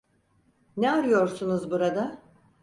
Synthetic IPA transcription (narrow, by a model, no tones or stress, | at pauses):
nɛaɾɯjo̞ɾsunuzbuɾad̪a